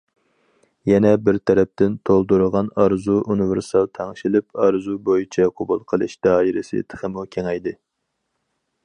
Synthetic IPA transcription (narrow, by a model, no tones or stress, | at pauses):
jɛnɛbɪɾt̪ʰɛɾɛp̚t̪ɪnt̪ʰolˠd̪uɾəʁɑnɑɾzuʔunɪvɪɾsɑlˠt̪ʰɛŋʃilɪpɑɾzubojit͡ʃʰɛqʰʊbulˠqʰəlˠɨ̰ʃd̪̥ɑːiɾɪsɪ̰t̪ʰə̥χəmukʲʰeŋɛjd̪ɪ